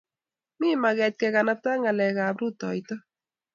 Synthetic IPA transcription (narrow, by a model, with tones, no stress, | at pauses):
mi˦ma˨ɣɛ˨t̚kɛ˨ka˨na˦ta˦ŋa˨lɛ˨ɣa˨bɾu˦tɔ̰˨jtɔ˦